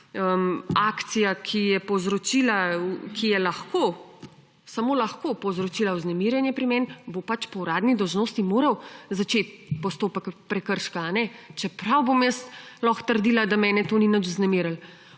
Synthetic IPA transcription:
əmaːkt̪sijakʰijɛpɔwzɾɔt͡ʃiːlakijɛlɐxko | samoːlaxkopɔwzɾɔt͡ʃiːlawznɛmiːɾjɛnjɛpɾimɛnbopat͡ʃpɔwɾaːd̪nid̪ɔwʒnoːst̪imoːɾɐwzat͡ʃet̪̚pɔst̪oːpəkpɾɛkəɾʃkaːnɛt͡ʃɛpɾawbomjəst̪lɔxt̪əɾd̪iːlad̪amɛːnɛt̪oːninət͡ʃuznɛmiːɾəl

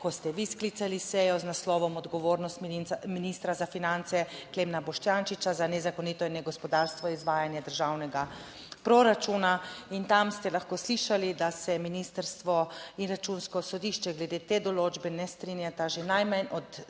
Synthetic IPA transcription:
kɔst̪ɛʋisklit̪salisɛjɔznaslɔːʋɔmɔd̪ɡɔʋoːɾnɔst̪minist̪ɾazafinant̪sɛklemnabɔʃt̪jaːnʃit͡ʃazanɛzakɔnit̪ɔinɛɡɔspɔd̪aɾst̪ʋɔizʋaːjanjɛd̪əɾʒaːwnɛɡa | pɾoɾat͡ʃunaint̪amst̪ɛlaxkoːsliːʃalid̪asɛminist̪əɾst̪ʋɔinɾat͡ʃunskɔsɔd̪iːʃt͡ʃɛɡlɛd̪eːt̪eːd̪ɔloːd͡ʒbɛnɛst̪ɾinjat̪aʒenajmanɔt̪

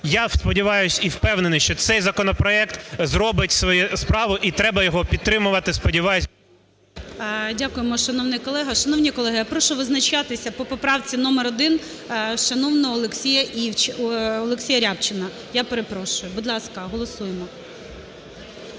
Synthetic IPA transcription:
jaspɔdʲiʋɑjʊsʲiwpɛwnenɪʃt͡ʃɔt̪sɛjzɐkɔnɔpɾɔɛkt̪zɾɔbɪtʲsʋɔjɛspɾɑʋʊʔit̪ɾɛbɐjɔɦɔpʲid̪̚t̪ːɾɪmʊʋɐt̪ɪspɔdʲiʋɑjʊsʲ | dʲakʊjemɔʃɐnɔwnɪjkɔlˠɛɦɐʃɐnɔwnʲikɔlˠɛɦɪjapɾɔʃɔʋɪznɐt͡ʃat̪ɪsʲɐpɔpɔpɾɑwt͡sʲinɔmeɾɔd̪ɪn | ʃɐnɔwnɔːlˠeksʲijɐiwt͡ʃɔlˠeksʲijɐɾʲapt͡ʃɪnɐ | japeɾepɾɔʃʊjʊbud̪lˠɑskɐɦɔlˠɔsujemɔ

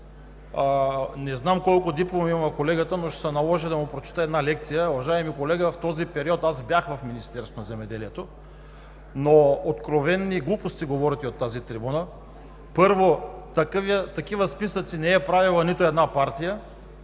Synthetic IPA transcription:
nɛznamkɔlˠkod̪iplˠomimɐmɐkolɛɡət̪ənoʃsənɐlˠɔʒid̪ɐmʊpɾot͡ʃɛ̥t̪əɛd̪nalɛkt̪sijəʊvɐʒajɛmikolɛɡəft̪ɔzipɛɾiɔt̪azbjaxvɐfminist̪ɛɾst̪onɐzɛmɛd̪ɛliɛt̪o | noot̪kɾovɛnːiɡlˠupost̪iɡovɔɾit̪iot̪ːazit̪ɾibunə | pɤɾvot̪ɐkvt̪ɐkivəspisət̪sinɛːpɾavilˠənit̪oɛd̪napaɾt̪ijə

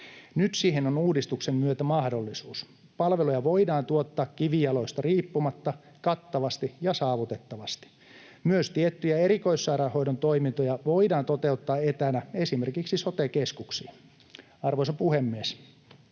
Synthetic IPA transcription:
nyt̪siːhenonuːdist̪uksemmyøt̪æmɑhdolːisuːs | pɑlʋelojɑʋoidɑːnt̪uot̪ːɑːkkiʋiɑloist̪ɑriːpːumɑt̪ːɑ | kɑt̪ːɑʋɑst̪ijɑsɑːʋut̪et̪ːɑʋɑst̪i̥ | myøst̪iet̪ːyjæeɾikoisːɑiɾɑhoidont̪oimint̪ojɑʋoidɑːnt̪ot̪eut̪ːɑːet̪ænæesimerkiksisot̪ekeskuksḭː | ɑrʋoisɑpuhemːies

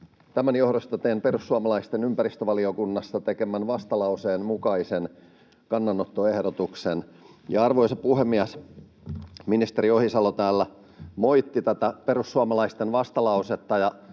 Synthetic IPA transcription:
t̪æmænjohɾost̪ɑt̪eːnperusːuɑmɑlɑist̪enympærist̪øʋɑliokunːɑst̪ɑt̪ekemænʋɑst̪ɑlɑuseːnmukɑisen | kɑnːɑnːot̪ːoehdot̪uksen | jɑɑrʋoisɑppuhemːiæs | minist̪eɾiohisɑlot̪æːlːæ | moit̪ːit̪æt̪æperusːuɑmɑlɑist̪enʋɑst̪ɑlɑuset̪ːɑjɑ

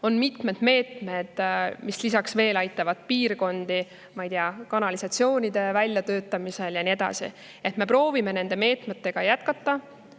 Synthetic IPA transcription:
o̞nmit̪me̞d̪̥me̞ːt̪me̞d̪̥mislisɑksve̞ːlɑjt̪ːˑɑvɑd̪̥piːrɡo̞nd̪̥i | mɑjd̪iɑkɑnɑlisɑt̪sio̞ːnʲid̪e̞vælʲjɑt̪ø̞ːt̪ːˑɑmise̞ljɑnie̞d̪̥ɑ̰sḭ | et̪me̞pro̞ːvime̞ne̞nd̪e̞me̞ːt̪me̞t̪ːe̞ɡ̥ɑjæt̪̚kɑt̪ːˑɑ

